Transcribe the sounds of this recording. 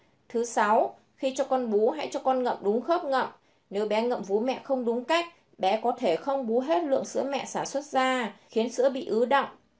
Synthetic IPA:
t̪ʰɨ˨˦sa˨˦w | xi˧t͡ɕɔ˧kɔ˧nɓu˨˦ɦa̰˧˥jt͡ɕɔ˧kɔ˧nŋə̰˧˨mɗʊ˨˦ŋ͡mxəː˦˥p̚ŋə̰˧˨mʔ | ne˨˦wɓɛ˨˦ŋə̰˧˨mvu˨˦mɛ̰˧˨xə˧wŋ͡mɗʊ˨˦ŋ͡mka˦˥jk̟̚ | ɓɛ˨˦kɔ˨˦t̪ʰe˧˩xə˧wŋ͡mɓu˨˦ɦe˦˥t̚lɨ̰˧˨əŋsɨ̰˧˥əmɛ̰˧˨saː˧˩nswə˦˥t̚zaː˧xi˨˦ənsɨ̰˧˥əɓḭ˧˨ʔɨ˨˦ɗə̰˧˨wŋ͡m

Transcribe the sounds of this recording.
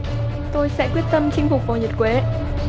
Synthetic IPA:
t̪o˧jsɛ̰˧˥kwi˦˥ət̚t̪ə˧mt͡ɕï˧ŋ̟fʊ˨˩k͡p̚vaː˨˩ɲi˨˩t̚kwe˨˦

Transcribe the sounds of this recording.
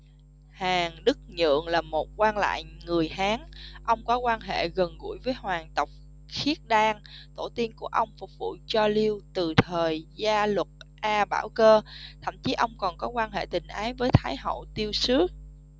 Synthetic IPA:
haː˨˩ŋɗɨ˦˥k̚ɲɨ̰˧˨əŋlaː˨˩mo˨˩t̚kwaː˧nla̰ː˧˨jŋɨ˨˩əjɦaː˨˦ŋʔə˧wŋ͡mkɔ˨˦kwaː˧nɦḛ˧˨ɣə˨˩nɣṵ˧˩˥jvəː˨˦jɦwaː˨˩ŋt̪ə˨˩wk͡p̚ | xi˦˥ət̚ɗaː˧ŋt̪o˧˩t̪i˧ənku˧˩əʔə˧wŋ͡mfʊ˨˩k͡p̚vṵ˧˨t͡ɕɔ˧li˧əwt̪ɨ˨˩t̪ʰəː˨˩jzaː˧lə˨˩t̚ʔaː˧ɓaː˧˩wkəː˧t̪ʰə̰˧˩˨mt͡ɕi˨˦ʔə˧wŋ͡mkɔ˨˩nkɔ˨˦kwaː˧nɦḛ˧˨t̪ï˨˩ŋ̟ʔaː˨˦jvəː˨˦jt̪ʰaː˨˦jɦə̰˧˨wt̪i˧əwsɨ˨˦

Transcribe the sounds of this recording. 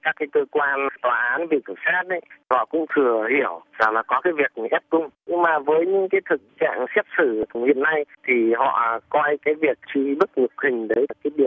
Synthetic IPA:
kaː˦˥k̚kːi˨˦t̪ɨ˧kwaː˧nt̪waː˨˩ʔaː˨˦nvi˨˩k̪ə˨˧˩saː˦˥t̚ʔə˨˦jhɔ̰˧˨kʊ̰˧˥ŋ͡mt̪ʰɨ˨˩əhi˧˩əwza˨˩ŋlaː˨˩kɔ˨˦kaː˨˦jvi˨˩ək̚ʔɛ˦˥p̚kʊ˧ŋ͡mɲɨ˧ŋmaː˨˩vəː˨˦jɲɨ̰˧˥ŋkaː˨˦jt̪ʰɨ˨˩k̚t͡ɕa̰ː˧˨ŋsɛ˦˥p̚sɨ˧˩t̪ʰʊ˨˩hḭ˧˨ənːa˧jt̪ʰi˨˩ɦɔ̰˧˨kɔ˧jkaː˨˦jvi˨˩ək̚t͡ɕi˧ɓɨ˦˥t̚ŋɨ˨˩ək̚hï˨˩ŋ̟ɗə˨˦ja˨˩kaː˨˦jɗi˧˨˩ə

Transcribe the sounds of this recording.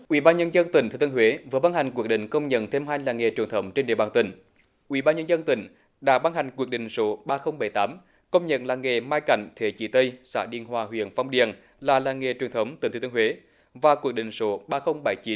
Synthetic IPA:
ʔwḭ˧˩˦ɓaː˧nɲə˧nzə˧nt̪ï˨˩ŋt̪ʰɨ˨˧˩t̪ɨ˧hwe˨˦vɨ˨əɓa˧nha˨˩ŋ̟kwək̚ɗḭ˧˨ŋ̟kə˧wŋ͡mɲə̰˧˥nt̪ʰe˧mhaː˧jŋlaː˨˩ŋe˨˩t͡ɕwi˨˩ənt̪ʰə˨˦wŋ͡mt͡ɕe˧nɗe˨əɓaː˨˩nt̪ï˧˩˦ŋ̟ | ʔwḭ˧˩ɓaː˧nɲə˧nzə˧nt̪ï˧˩ŋ̟ | ɗa̰ː˧˥ɓa˧nɦa˨˩jŋ̟kwu˨˩ək̚ɗḭ̈˨ŋ̟so˨˦ɓaː˧xə˧wŋ͡mɓa˨˧˩jt̪aː˨˦m | kə˧wŋ͡mɲə̰˧˨nlaː˨˩ŋe˨˩maː˧jka̰˧˩jŋ̟t̪ʰe˧˩˦t͡ɕi˨˦t̪ə˧jsa̰ː˧˥ɗḭ˧˨ənhwaː˨˩ɦwḭ˧˨ənfa˧wŋ͡mɗḭ˧˨ən | laː˨˩laː˨˩ŋe˨˩t͡ɕwi˨˩ənt̪ʰwŋ͡mt̪i˨˦t̪ʰːt̪ːhwe˨˦ | vaː˨˩ku˨˩ək̚ɗḭ̈˨ŋ̟so˨˦ɓaː˧xə˧wŋ͡mɓa˨˧˩jt͡ɕi˨˦n

